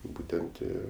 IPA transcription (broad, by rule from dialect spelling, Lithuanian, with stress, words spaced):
ˈbuːtʲɛnt ˈɪ